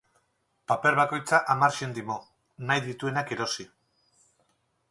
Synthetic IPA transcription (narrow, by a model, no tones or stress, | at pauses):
pape̞ɾβako̞jt͡saʔamaɾʃe̞nd̪imo̞ | najðit̪ue̞nakeɾo̞si